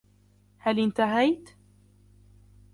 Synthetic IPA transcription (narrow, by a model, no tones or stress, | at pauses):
halʔɪnt̪aɦajt̪